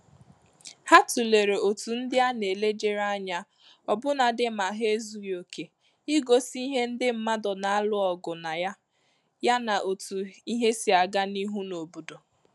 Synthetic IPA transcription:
ha˦tu˨le˨ɾe˨o˨tu˨n̩˦dɪ˦a˦ne˨le˦d͡ʒe˨ɾa˦ɲa˦ | ɔ˨bʊ˦na˨dɪ˦ma˨ɦe˦zu˨jo˨ke˨ | i˦ɡo˨si˦ɦe˦n̩˦dɪ˦m̩˨ma˦dɔ˨na˦a˦lʊ˦ɔ˨ɡʊ˨na˨ja˦ | ja˦na˨ʔo˨tu˨i˦ɦe˦si˨a˨ɡa˦ni˦ɦu˦no˨bu˨do˨

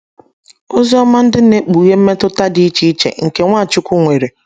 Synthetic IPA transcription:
o˦zi˦ɔ˦ma˦n̩˦dɪ˦ne˦k͡pu˨je˦m̩˦me˦tʊ˦ta˦di˦i˦t͡ʃi˦i˦t͡ʃḛ˨ŋ̩˨ke˨ŋʷa˦˨t͡ʃʊ˦kʷu˦ŋʷe˨ɾe˨

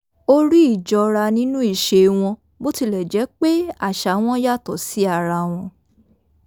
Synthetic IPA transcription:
o˦ɾi˦i˦˨d͡ʒɔ˧ɾa˧nĩ˦nũ˦i˦˨ʃe˧w̃ɔ̃˧ | bo˦ti˧lɛ˨d͡ʒɛ˨˦k͡pe˦a˦˨ʃa˨˦w̃ɔ̃˦ja˦˨tɔ˨si˨˦a˦˨ɾa˧w̃ɔ̃˧

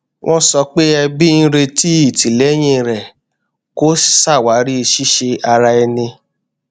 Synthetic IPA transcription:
w̃ʔɔ̃˦sɔ˧k͡pe˦ɛ˧bi˦˧n̩˦ɾe˧ti˦i˦˨ti˨lɛ˨˦j̃ĩ˧˨ɾɛ˨ | ko̥˦sa˦˨wa˨˦ɾi˦e˧ʃi˦ʃe˧a˧ɾa˧ɛ˧nĩ˧

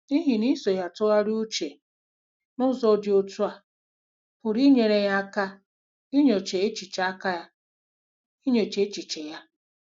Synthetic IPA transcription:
i˦ɦi˨ni˦so˨ja˨tʊ˦ɣa˦ɾo˦t͡ʃe˨ | nʊ˦zo˨dɪ˨o˨tu˦a˨ | pʊ˨ɾi˦ɲe˨ɾe˨ja˦ka˦ | i˦ɲo˨t͡ʃe˨e˦t͡ʃi˨t͡ʃa˦ka˦ja˦ | i˦ɲo˨t͡ʃe˨˦e˦t͡ʃi˨t͡ʃe˨ja˦

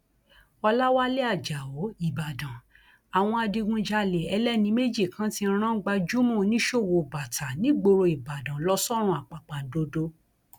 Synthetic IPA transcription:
ɔ˧la˦wa˦le˦a˦˨d͡ʒa˨o˨˦i˦˨ba˨dã˨ | a˨w̃ɔ̃˧a˧di˧ɡũ˧d͡ʒa˧le˨ɛ˧lɛ˦nĩ˧˦me˦d͡ʒi˦˨kʰã˨˦tĩ˧˦ɾ̃ã˦ɡ͡ba˧d͡ʒu˦mũ˦˨˧nĩ˦ʃo˦˨wo˨ba˨tʰa˨nĩ˦ɡ͡bo˧ɾo˧i˨ba˨dã˨lɔ˦sɔ˦ɾ̃ũ˧˦a˨k͡pa˨k͡pa˨do˧do˧˦

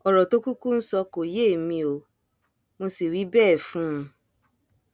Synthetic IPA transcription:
ɔ˨ɾɔ˨to˦ku˦ku˦n̩˦sɔ˧ko˨je˦˨mĩ˧o˨ | mo˧si˨wi˨˦bɛː˦˨fũ˨˦˧

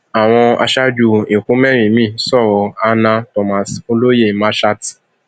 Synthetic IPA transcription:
a˨w̃ɔ̃˧a̰˧ʃa˦d͡ʒu˧ĩ˨kũ˨˦mɛ˦˨ɾ̃ĩ˨mĩ˦˨˦sɔ˦˨ɾɔ˧a˦nã˧tɔ˧ma˨so˧lo˦je˦˨mã˦ʃa˦t

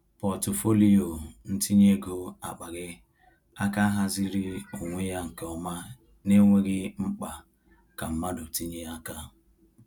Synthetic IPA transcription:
pɔ˨to˨fo˦li˦o˨n̩˦ti˦ɲe˦ɡo˦a̰˨k͡pa˨ɣɪ˦ | a˦ka˦ɦa˦zi˦ɾi˦o˨ŋʷe˦ja˦ŋ̩˨ke˨ɔ˦ma˦ | ne˦ŋʷe˦ɡɪ˦ŋ͡m̩˦k͡pa˨ | ka˨m̩˦ma˦dʊ˨ti˦ɲe˦a˦ka˦

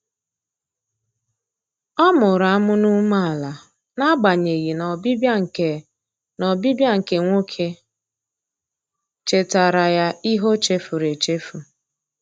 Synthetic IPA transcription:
ɔ˦mʊ˨ɾa˨a˦mʊ˦nu˦ma˦a˨la˨ | na˦ɡ͡ba˨ɲe˨ɣi˨n˨bbŋ̩˨e˨ | nɔ˨bi˦bja˦ŋ̩˨ke˨ŋʷo˦kʰe˦ | t͡ʃe˨ta˨ɾa˨ja˦i˦ɦo˦t͡ʃe˦fu˨ɾe˨t͡ʃe˦fu˨

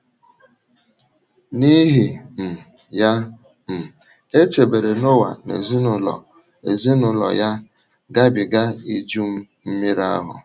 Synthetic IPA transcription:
ni˦ɦi˨m̩˨ | ja˦ | m̩˨ | e˦t͡ʃe˨be˨ɾe˨no˦wa̰˨nḛ˨zi˦nʊ˦lɔ̰˨ | e˨zi˦nʊ˨lɔ̰˨ja˦ | ɡa˦bɪ˨ɡa˦i˦d͡ʒu˦m̩˦ | m̩˦mi˦ɾa̰˦ɦʊ̰˨

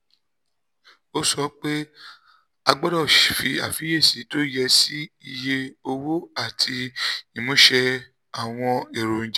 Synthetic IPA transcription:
o˦sɔ˧˦k͡pe˦ | a˧ɡ͡bɔ˦ɾɔ˦˨ʃi˨fi˧a̰˨fi˨˦e˦˨si˨˦to˦jɛ˧si˦i˧je˧o˧wo˦a˦˨tʰi˧i˨mũ˨˦ʃɛ˧ | a˨w̃ɔ̃˧e˨ɾo˨ñ̩˨d͡ʒ

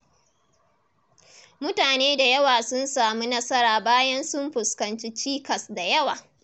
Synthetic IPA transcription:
mʊ˦taː˨neː˦da˨jɐ˦waː˨sʊ˦nsaː˨mu˦nɐ˦sɐ˦ɾaː˨baː˦jɐ˦nsʊ˦mɸʊ˨skɐ˨nt͡ʃi˦t͡ʃiː˦kɐ˨sda˨jɐ˦waː˨

